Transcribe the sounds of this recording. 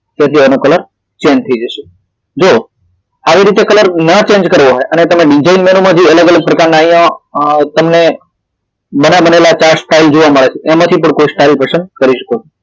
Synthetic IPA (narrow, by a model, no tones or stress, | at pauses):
t̪jãt̪ʰiənokələɾ | t͡ʃẽnd͡ʒt̪ʰəid͡ʒəʃe̥ | d͡ʒo | aʋiɾit̪ekələɾnət͡ʃẽnd͡ʒkəɾʋoɦojənet̪əmẽɖid͡ʒainmenomãd͡ʒiələɡələɡ̚pɾəkaɾnaəɦjãt̪əmne | bənabənelat͡ʃaɾsʈaild͡ʒoʋaməɭet͡ʃʰeʔemãt̪ʰipəɳkoisʈailpəsənkəɾiʃə̥kot͡ʃʰo